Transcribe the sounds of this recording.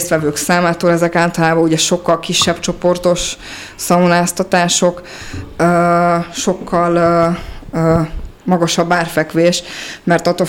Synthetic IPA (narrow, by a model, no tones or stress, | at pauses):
st̪ʋɛvøːksaːmaːt̪oːlɛzɛkaːlt̪ɒlaːbɒuɟɛʃo̞kːɒlkiʃːɛbt͡ʃo̞po̞rt̪o̞ʃ | sɒmonaːst̪ɒt̪aːʃo̞k | øːʃo̞kʰːɒl | mɒɡoʃɒbːaːrfɛkʋeːʃmɛrt̪ɒt̪o